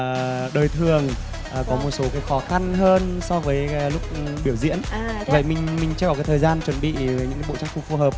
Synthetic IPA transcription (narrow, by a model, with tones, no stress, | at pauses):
ɗəː˨˩jt̪ʰɨ˨˩əŋː˨˩ | kɔ˨˦mo˨˩t̚so˨˦kaː˨˦jxɔ˨˦xa˧nɦəː˧nsɔ˧vəː˨˦jlʊ˦˥k͡p̚ɓi˧˩əwzḭ˧˥ənvə̰˧˨jmï˨˩ŋ̟mï˩ŋ̟t͡ɕɨ˧kɔ˨˩ka˨˦jt̪ʰəː˨˩jzaː˧nt͡ɕwə˨˧˩nɓḭ˧˨ɲɨ̰˧˥ŋkːɓ̰t͡ɕa˨˦˥ŋxu˧˩fu˨˩həː˨˩p̚